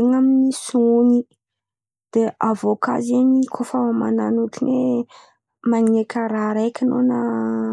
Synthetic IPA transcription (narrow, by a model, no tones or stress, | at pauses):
eŋaminisuni | d̪̥eʔavoka̰zeɲikʰofama̰na̰nuʈ͡ʂine | maŋekʰʲəɾaɾajkʲənonə